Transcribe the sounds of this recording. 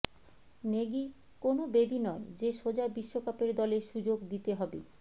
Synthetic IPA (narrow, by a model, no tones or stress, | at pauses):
neɡi | konobed̪inɔed͡ʑeʃod͡ʑabiʃːokapeɾd̪ɔleʃud͡ʑoɡd̪it̪eɦɔbḛ